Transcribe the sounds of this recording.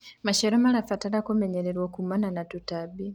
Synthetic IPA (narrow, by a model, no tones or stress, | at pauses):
maʃeɾomalafataɾakomeɲeɾeɾwokumananatutabi